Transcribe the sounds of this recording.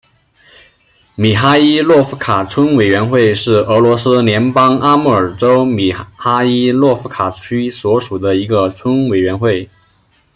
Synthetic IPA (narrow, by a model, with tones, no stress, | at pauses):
mi˨˩xa˥i˥lwɔ˥˩fu˧˥kʰa˨˩t͡sʰə˥ŋwe˨˩ɪɥɛ˧˥nxwe˥˧ɪʂɻ̩˥˩ɤ˧˥lwɔ˧˥sɹ̩˥ljɛ˧˥npɑ˥ŋa˥mu˥˩ə˞˨˩ʈ͡ʂo˥ʊmi˨˩xa˥i˥lwɔ˥˩˧fu˧˥kʰa˨˩t͡ɕʰy˥swɔ˧˥ʂu˨˩d̪ə˦i˧˥ɡə˧t͡sʰwʊ˥ŋwe˨˩ɪɥɛ˧˥nxwe˥˩ɪ